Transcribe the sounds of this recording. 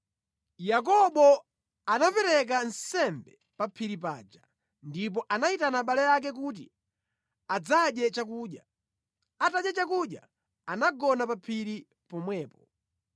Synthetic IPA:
jak̬ɔɓɔ | anapɛɾɛk̬ansɛmbɛ | papʰiɾip̬a̰ːd͡ʒa | ndip̬ɔʔanaitanaɓalɛjak̬ɛk̬ut̬ḭ | ad͡zaɗjɛt͡ʃakuːɗja | ataɗjɛt͡ʃakuɗja̰ | anaɡɔnapapʰiɾi | pɔmwɛːpɔ

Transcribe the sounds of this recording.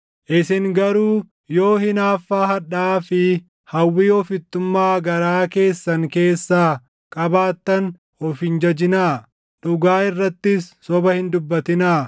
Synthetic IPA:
ʔɪsɪŋɡɐɾuː | jo̞ːhɪnaːfːaːɦɐᶑaːfɪ | hɐwːiːɔfɪt̪ːʊmːaːɡɐɾaːke̞ːsːɐŋke̞ːsːaː | kʼɐbaːt̪ːɐn | ɔfɪnd͡ʒɐd͡ʒɪnaː | ᶑʊɡaːɪrːɐt̪ːɪsːɔbɐhɪnd̪ʊbːɐt̪ɪnaː

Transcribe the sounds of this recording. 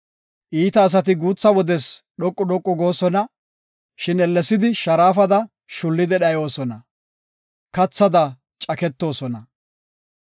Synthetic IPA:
ʔiːt̪ɐːs̬ɐt̪ɪɡuːt͡sːɐwɔd̪ɛsɗɔkʼːʊɗɔkʼːʊɡo̞ːsɔnɐ | ʃɪnɛlːɛsːɪd̪ɪʃɐɾaːfɐd̪ɐ | ʃʊlːɪd̪ɛɗɐjo̞ːsɔnɐ | kɐt͡sːɐd̪ɐ | t͡ʃʼɐkɛt̪ːo̞ːsɔnɐ

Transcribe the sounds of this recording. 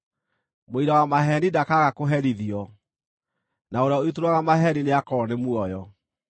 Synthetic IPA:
moiɾawamaɦɛnidakaɣakoɦɛɾiðiɔ | naoɾeaoitoɾwaɣamaɦɛnineakɔnemwɔjɔ

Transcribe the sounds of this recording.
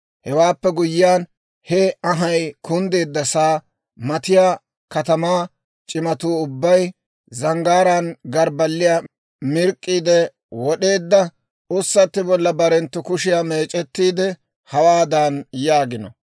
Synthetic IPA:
hɛwaːpːɛɡʊjːɪaːn | hɛɐɦɐjkʰʊnd̪e̞ːd̪ːɐsaː | mɐt̪ɪjaː | kɐt̪ɐmaː | t͡ʃʼɪmɐt̪uːʊbːɐj | zɐŋɡaːɾanɡɐɾbɐlːɪja | mɪɾkʼːiːd̪ɛ | wɔɗe̞ːd̪ːɐ | ʊsːɐt̪ːɪbɔlːɐbɐɾɛnt̪ːʊkʊʃɪjame̞ːt͡ʃʼɛt̪ːiːd̪ɛ | hɐwaːd̪aːnjaːɡɪnɔ̰

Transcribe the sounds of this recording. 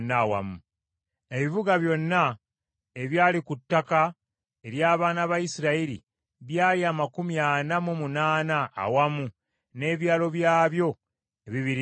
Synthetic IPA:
nːawa̰mu | e̞βivuɡaβjo̞nːa | e̞βjaːlikutːaka | e̞ɾjaːβaːnaβajisiɾaiɾḭ | βjaːliaːmakumjaːnamumunaːna̰ːwamu | ne̞ːβjaːlo̞βjaːβjo̞ | eβiβiɾ

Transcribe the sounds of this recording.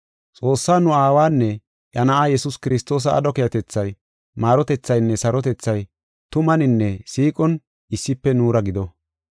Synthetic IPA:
t͡sʼo̞ːsːaːnʊaːwaːnːɛ | ʔɐnɐʔaːjɛsʊskɪɾɪst̪o̞ːs̬ɐɐ̰d̪ɔkɛjɐt̪ɛt͡sːɐj | maːɾɔt̪ɛt͡sːɐjnːɛsɐɾɔt̪ɛt͡sːɐj | t̪ʊmɐnɪnːɛsiːkʼɔn | ɪsːɪpːɛnuːɾɐɡɪd̪ɔ

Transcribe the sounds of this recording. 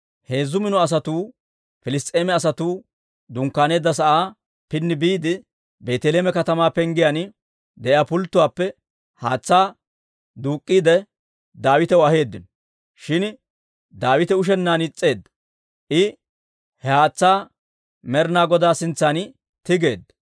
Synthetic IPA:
he̞ːzʊmɪnɔɐs̬ɐt̪uː | fɪlɪst̪ʼeːmɛɐs̬ɐt̪uː | d̪ʊŋkːaːne̞ːd̪ːɐs̬ɐʔaː | pɪnːɪbiːd̪ɪ | be̞ːt̪ɛleːmɛkɐt̪ɐmaːpɛŋɡɪjan | d̪ɛʔjaːpʊlt̪ːʊwaːpːɛ | haːt͡sːaː | d̪uːkʼːiːd̪ɛ | d̪aːwɪt̪ɛwɐhe̞ːd̪ːɪnɔ | ʃɪn | d̪aːwɪt̪ɛʊʃ̬ɛnːaːnɪt͡sʼːe̞ːd̪ːɐ | ʔɪ | hɛhaːt͡sːaː | mɛɾnaːɡɔd̪aːsɪnt͡sːaːn | t̪ɪɡe̞ːd̪ːɐ

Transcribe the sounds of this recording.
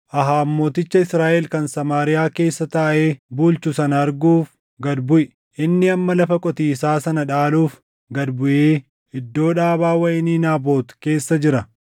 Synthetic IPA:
ʔɐɦaːmːo̞ːt̪ɪt͡ʃːɐɪsɾaːʔɛlkɐnsɐmaːɾɪjaːke̞ːsːɐt̪aːʔeːbuːlt͡ʃʊsɐnɐɐɾɡuːf | ɡɐd̪bʊʔɪ | ʔɪnːɪɐmːɐlɐfɐkʼɔt̪iːsaːsɐnɐᶑaːluːf | ɡɐd̪bʊʔeː | ɪd̪ːo̞ːᶑaːbaːwɐʔɪniːnaːbo̞ːt̪ke̞ːsːɐd͡ʒɪɾɐ

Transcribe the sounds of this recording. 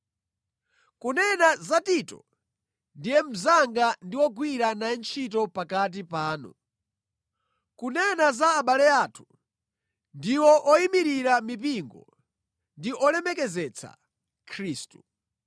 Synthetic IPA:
kunɛnazatitɔ̰ | ndijɛm̩zaŋɡandiwɔɡwiɾanant͡ʃʰit̬ɔpakat̬ipaːnɔ̰ | kunɛnazaːɓalɛaːtʰu̥ | ndiwɔʔɔimiɾiɾamip̬iŋɡɔ̰ | ndiʔɔlɛmɛkɛzɛt͡sʰa̰ | kʰɾiːstu

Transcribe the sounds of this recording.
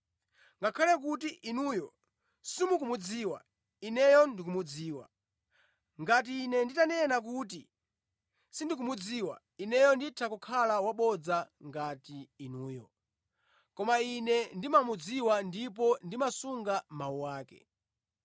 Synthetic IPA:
ŋɡakʰalɛkutiʔinujɔ | simukumud͡ziːwa̰ | inɛjɔndik̬umud͡ziːwa̰ | ŋɡat̬iːnɛnditanɛnak̬uti | sindik̬umud͡ziːwa̰ | inɛjɔnditʰakukʰalawaɓɔd͡zaŋɡatiːnuːjɔ | kɔmainɛndimamud͡ziwandip̬ɔndimasuŋɡamauwaːkɛ̰

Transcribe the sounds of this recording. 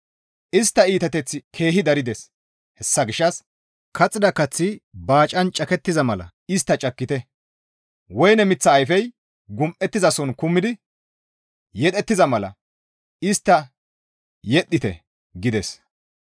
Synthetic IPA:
ʔɪst̪ːɐiːt̪ɐt̪ɛt͡sːɪkʰe̞ːɦɪd̪ɐɾɪd̪ɛs | hɛsːɐɡɪʃːɐs | kʰɐt͡sʼːɪd̪ɐkɐt͡sːɪbaːt͡ʃʼɐnt͡ʃʼɐkɛt̪ːɪzɐmɐlɐ̰ | ɪst̪ːɐt͡ʃʼɐkːɪt̪ɛ | wɔjnɛmɪt͡sːɐːjfɛj | ɡʊmʔɛt̪ːɪzɐsɔnkʊmːɪd̪ɪ | jɛt̪ʼɛt̪ːɪzɐmɐlɐ̰ | ɪst̪ːɐ | jɛɗːɪt̪ɛ̰ | ɡɪd̪ɛs

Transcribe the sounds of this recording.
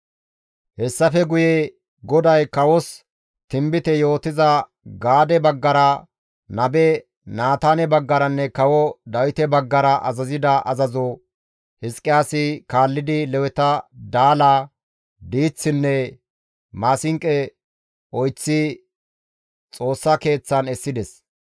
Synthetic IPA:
hɛsːɐfɛɡʊjɛ | ɡɔd̪ɐjkɐwɔs | t̪ɪmbɪt̪ɛjo̞ːt̪ɪzɐ | ɡaːd̪ɛbɐɡːɐɾɐ | nɐbɛ | naːt̪aːnɛbɐɡːɐɾɐnːɛkɐwɔd̪ɐwɪt̪ɛbɐɡːɐɾɐʔɐ̰zɐzɪd̪ɐʔɐzɐzɔ | hɪskʼɪjaːsɪkaːlːɪd̪ɪlɛwɛt̪ɐd̪aːlaː | d̪iːt͡sːɪnːɛ | maːsɪŋkʼːɛ | ɔjt͡sːɪ | t͡sʼo̞ːsːɐke̞ːt͡sːɐnɛsːɪd̪ɛs

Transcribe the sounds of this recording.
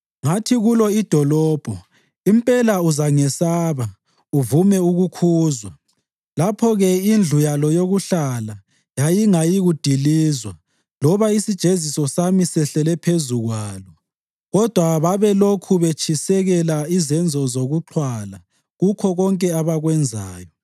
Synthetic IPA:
ŋatʰiɣulɔid̥ʱɔlɔːb̥ʱɔ | impʼɛlauzaŋɛsaːβa | uvumɛuɣukʰuːzwa | lapʰɔɣɛind͡ɮʱujalɔjoɣuɬala | jajiŋajiɣud̥ʱiliːzwa | lɔβaisid̥ʒ̥ʱezisɔsamisɛɬɛlɛpʰezuɣwaːlɔ | ɣɔd̥ʱwaβaβɛlokʰuβet͡ʃʰisɛɣɛlaizɛnd͡zʱɔzoɣuǃʰwala | ɣukʰɔɣɔŋkʼɛaβaɣwɛnd͡zʱaːjɔ

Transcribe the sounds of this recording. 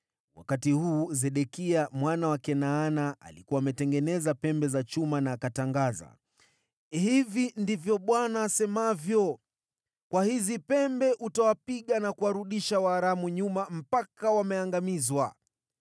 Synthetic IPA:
wa̰katihuːzɛɗɛkiamwanawakɛnaːnaa̰likuwaːmɛtɛŋɡɛnɛzapɛmbɛzat͡ʃumanaːkataŋɡaza̰ | hivindivjɔɓwanaːsɛmavjɔ | kwahizipɛmbɛʔutawapiɠanakuwaɾuɗiʃawaːɾamuɲumam̩pakawamɛaŋɡamizwa

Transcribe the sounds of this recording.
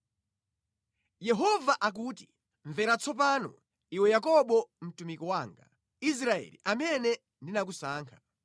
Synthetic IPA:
jɛɦɔvaʔak̬uːti | ɱvɛɾat͡sʰɔp̬anɔ̰ | iwɛjakɔɓɔm̩tumikɔwaːŋɡa̰ | is̬ɾaɛ̰lḭʔamɛnɛ | ndinak̬usaːŋkʰḁ

